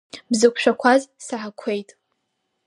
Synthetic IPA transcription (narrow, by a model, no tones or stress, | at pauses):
bzɨkʷʰʃᶣakʷʰazsaħakʷʰe̞jtʼ